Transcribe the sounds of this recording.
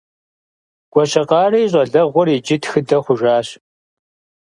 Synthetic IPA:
ɡ̥ʷɔɕɐqɑːrɐjɕʼɐɮɐʁʷʊrid͡ʒɪtxɨdɐχʷʊʒaːɕ

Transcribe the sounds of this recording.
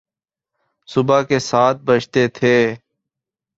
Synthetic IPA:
sʊbaːkeːsaːt̪̚bət͡ʃʰt̪eːt̪ʰeː

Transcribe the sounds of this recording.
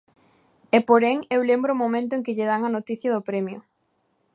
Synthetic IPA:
epoɾeŋewlembɾʊːmomẽnt̪̬ʊẽŋkɪʎɪðaŋɐnot̪iθjɐðʊpɾɛmjʊ̰

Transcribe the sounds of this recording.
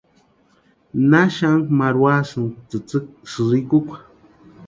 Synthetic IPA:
naʃaŋkmaɾwasɨnt͡sɨt͡sɨk̚sɨzikukʷʰḁ

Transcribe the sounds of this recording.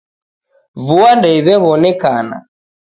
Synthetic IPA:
vuandɛiβɛβɔnɛkana̰

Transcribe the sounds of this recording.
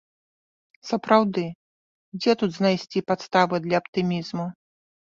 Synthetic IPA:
sɐpɾawd̪ɨ | d͡zʲɛt̪ud̪znajsʲt͡sʲipat̪st̪avɨd̪lʲɐːpt̪ɨmʲizmu

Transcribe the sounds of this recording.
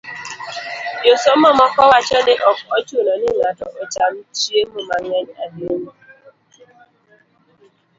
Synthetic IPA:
josom̩ɔmɔkɔwat͡ʃɔdɪʔɔkɔt͡ʃuonɔnilatɔʔot͡ʃam̩t͡ʃiemumaŋeɲademu

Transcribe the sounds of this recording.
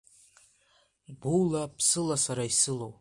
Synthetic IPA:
bulapʰsɨlasaɾaisɨlow

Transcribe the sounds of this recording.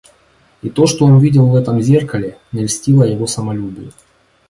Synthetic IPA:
it̪o̞ʂt̪oonvʲidʲɪlˠvɛt̪əmzʲe̞rkəlʲɪnʲɪlʲsʲtʲilˠəjɪvo̞səmɐlʲubʲɪjʊ

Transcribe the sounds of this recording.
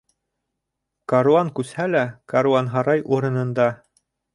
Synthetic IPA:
kɐɾuaŋkʉshælækaɾuɑnɦɑɾɑjʔuɾɤ̆nɤ̆nd̪ɑ

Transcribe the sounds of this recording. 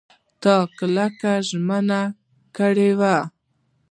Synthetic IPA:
t̪ɑkəlakaʒməna | kəɽewa

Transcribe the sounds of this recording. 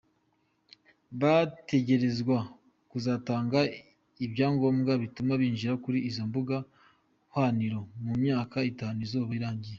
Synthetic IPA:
βate̞ɟe̞ɾe̞zɡwa | kuzaːtaːŋɡa | ibɟaːŋɡo̞ːmɡaβitumaβiːnʒiɾakuɾiːzombuɡa | hwaniɾo̞mumɲaːkaitaːnuzoːβaiɾaːɲɟije

